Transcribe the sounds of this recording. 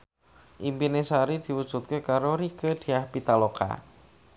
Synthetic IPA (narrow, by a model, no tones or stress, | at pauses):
ʔimpinesaɾid̪̥i̤wud̥ʒ̥ṳt̪̚kekaɾoɾikəd̪̥i̤ahpit̪aloka̰